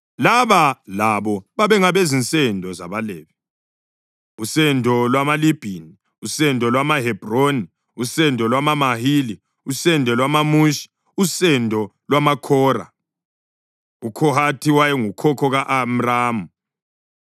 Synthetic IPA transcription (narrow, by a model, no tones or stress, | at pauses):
laβalaβɔβaβɛŋaβezint͡sʼɛndʱɔza̰βalɛːβɛ | usɛndʱɔlwamalib̥ʱini | usɛndʱɔlwamaɦɛb̥ʱroni | usɛndʱɔlwamamahili | usɛndʱɔlwamamuʃi̥ | usɛndʱɔ | lwamakʰɔːra̰ | ukʰɔɦatʰiwajɛŋukʰɔkʰɔɣaʔam̩raːmu